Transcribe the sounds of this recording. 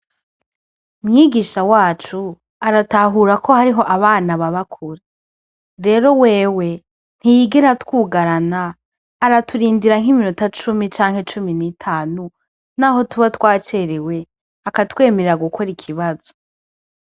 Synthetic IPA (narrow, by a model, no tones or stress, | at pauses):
umŋiːɡiʃawaːt͡ʃu | aɾataɦuɾakʰo̞haɾiɦo̞ʔaβaːnaβaβakʰuɾe | ɾe̞ːɾo̞we̞ːwe̞ | n̥hijiɡeɾatwuːɡaɾanaː | ɾatuɾiːndiɾaŋ̥iminutat͡ʃumit͡ʃaːŋhe̞t͡ʃuminitʰaːnu | naːɦo̞tuβatwaːt͡ʃe̞ɾewe̞ | akatwe̞ːme̞ɾeɾaɡukʰo̞ɾikʰiβazo̞